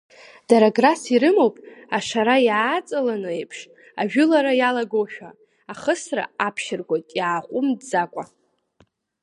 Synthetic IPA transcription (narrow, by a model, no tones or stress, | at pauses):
d̥aɾaɡrasiɾɨmowpʼaʂaɾajaːt͡sʼalanɨejpʰʂ | aʒᶣʊlaɾajalaɡoʃᶣa | aχəsra̰apʰʃɪrɡʷojtʼjaːqʷʼʊmdd͡zakʷʼa